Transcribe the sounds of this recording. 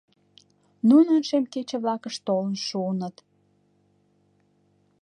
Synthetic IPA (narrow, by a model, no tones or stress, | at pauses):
nunənʃemket͡ɕĕβlɑkəʃt̪olənʃuənət̪